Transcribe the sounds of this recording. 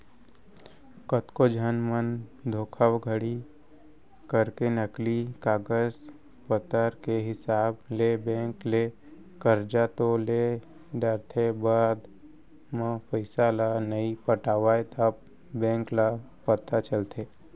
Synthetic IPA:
kət̪kod͡ʒʱənmənd̪ʱoːkʰəwɡʱəɽi | kəɾkenəklikaːɡəz | pət̪əɾkeɦɪsaːblebɛ̃ːŋkle | kəɾd͡ʒat̪ole | ɖəɾt̪ʰebaːd̪ | mə̃pəɪsalanəipəʈaːʋaːet̪əb | bɛ̃ːŋkla | pət̪at͡ʃəlt̪ʰeː

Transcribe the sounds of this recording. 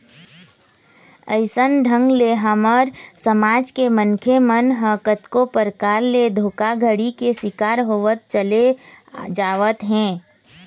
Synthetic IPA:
əɪsənɖʱə̃ŋɡleɦaməɾsəmaːd͡ʒkemənkʰemənɦəkət̪kopəɾkaːɾled̪ʱoːkaɡʱəɽikesɪkaːɾɦoʋət̪̚t͡ʃəled͡ʒaːʋət̪ɦɛ̃ː

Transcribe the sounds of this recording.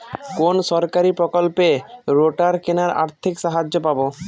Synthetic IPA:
konʃɔɾkaɾipɾokolpeɾoʈaɾkenaɾa̰ɾt̪ʰikʃaɦad͡ʑːopabo

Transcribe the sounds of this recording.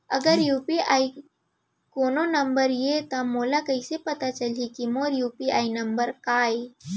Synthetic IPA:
əɡəɾjuːpiaːi | koːnonəmbəɾjet̪ãmoːlakəisepɐt̪at͡ʃəlikimoːɾjuːpiaːinɐmbəɾkaːj

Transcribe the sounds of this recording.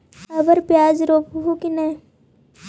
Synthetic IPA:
ɐbəɾpjaːd͡ʒɾoːpɦukinɛː

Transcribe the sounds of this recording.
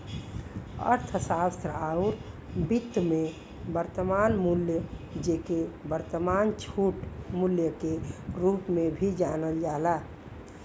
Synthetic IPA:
ə̰ɾt̪ʰəsaːst̪ɾəauɾ | bit̪ːəmẽ | bəɾt̪əmaːnmuljəd͡ʒekebəɾt̪əmaːnt͡ʃʰuʈmuljəkeɾuːpmẽbʱid͡ʒanəld͡ʒaːla

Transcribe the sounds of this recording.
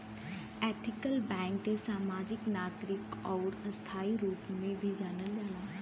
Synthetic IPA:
eːt̪ʰɪkəlbɛ̃ːŋkd̪esaːmaːd͡ʒɪknaːɡɾɪkɔːɾɐst̪ʰaːiɾuːpmẽbʱid͡ʒaːnəld͡ʒaːlaː

